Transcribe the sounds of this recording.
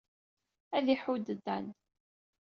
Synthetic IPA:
æðiħud̪əd̪ːæn

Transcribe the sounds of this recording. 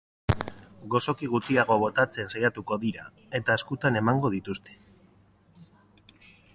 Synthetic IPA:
ɡo̞so̞kiɣ̞ut̪iaɣ̞o̞βo̞t̪at͡se̞nsajat̪uko̞ðiɾa | e̞t̪aeskut̪ane̞maŋɡo̞ð̞it̪ust̪e̥

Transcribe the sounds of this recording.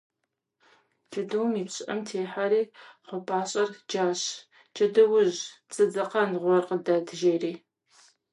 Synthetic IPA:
d͡ʒɐdɐwmiːpɕʼʔɐ̰mtʰeːħaɾiːqʷɔpʰʼaːɕʼɐrd͡ʒaːɕ | t͡ʃʰʼɐdɐwʊʑt͡sʼɨd͡zɐqɐnʁʷɔrqədadɨʒeːriː

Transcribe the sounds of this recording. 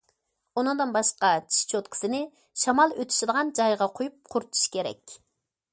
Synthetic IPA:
unɨŋd̪ɨnbɑʃqɑt͡ʃʰi̥ʃt͡ʃʰot̪kʰi̥sɪnɪ | ʃɑmɑlˠøt̪ʰy̥ʃid̪əʁɑnd͡ʒɑjʁɑqʰojup̚qʰʊɾt̪ʰu̥ʃkʲʰeɾɛ̰kʲ

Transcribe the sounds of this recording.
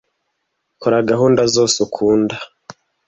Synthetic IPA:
koɾaɡaɦuːndazo̞ːsukʰuːnda

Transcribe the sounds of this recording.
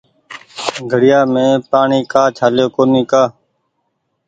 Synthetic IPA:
ɡʱəɽɪjaːmẽːpaːɳiːkaːt͡ʃʰaːljoːkoːniːkaː

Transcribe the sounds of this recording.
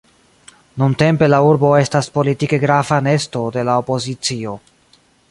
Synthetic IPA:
nunte̞mpe̞lauɾbo̞e̞staspo̞litike̞ɡɾavane̞sto̞de̞laopo̞zit͡sio̞

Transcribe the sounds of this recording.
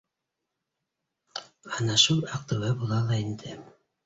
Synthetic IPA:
ɑnɑʃulˠɑq̚t̪ɤ̆wɤbulˠɑlˠɑind̪ɘ

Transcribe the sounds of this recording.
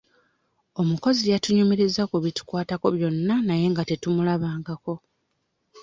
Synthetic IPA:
o̞muko̞zijatuɲome̞ɾe̞zakuβitu̥kwaːtako̞βjo̞nːanaje̞ːŋɡate̞tumulaβaːŋɡako̞

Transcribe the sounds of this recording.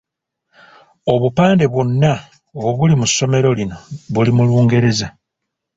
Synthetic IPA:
o̞βupaːnde̞βwonːa | oβulimusːo̞me̞ɾo̞lino̞βulimuluːŋɡe̞ɾe̞za

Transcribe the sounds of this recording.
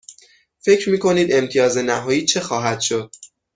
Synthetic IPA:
fe̞cɾmiːkʰo̞niːd̪e̞mt̪ʰijɒːze̞næɦɒːjiːt͡ʃʰe̞xɒːɦæd̪̥ʃo̞d̪̥̚

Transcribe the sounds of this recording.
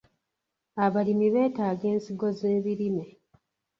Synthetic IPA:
aβalimiβe̞ːtaːɡe̞ːnsiɡo̞ze̞ːβiɾime̞

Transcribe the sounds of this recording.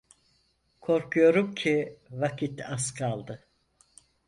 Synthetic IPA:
kʰo̞ɾkʰujo̞ɾumcʰivakʰit̪ʰaskʰalˠd̪ɯ

